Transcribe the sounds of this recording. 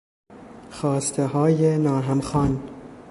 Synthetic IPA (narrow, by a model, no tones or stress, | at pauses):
xɒːst̪ʰeɦɒːjenɒːɾɦæmxɒːn